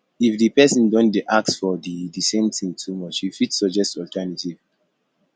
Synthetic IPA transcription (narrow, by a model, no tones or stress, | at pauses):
ifdipɛsɔ̃ndɔ̃nʔaksfɔdidisẽmt̪ʰĩŋtʰumɔt͡ʃjifitsɔd͡ʒɛstɔltʰɛnativ̥